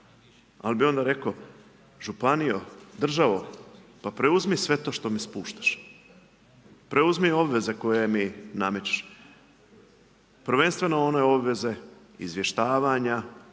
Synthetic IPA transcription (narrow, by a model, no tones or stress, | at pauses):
a̰lbio̞nd̪aɾe̞ko | ʒupanijod̪r̩ʒaʋopapɾe̞uzmisʋe̞t̪o̞ʃt̪o̞mispuːʃt̪ḁʃ | pɾeuzmio̞bʋe̞ze̞ko̞je̞minamet͡ɕe̥ʃ | pr̩ʋe̞nst̪ʋe̞noo̞neo̞bʋe̞ze̞ | ḭzʋje̞ʃt̪aːʋaɲa